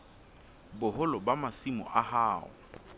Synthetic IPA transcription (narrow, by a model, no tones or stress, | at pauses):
bʊhʊlɔbamasimʊ̰ʔahaːʊ̰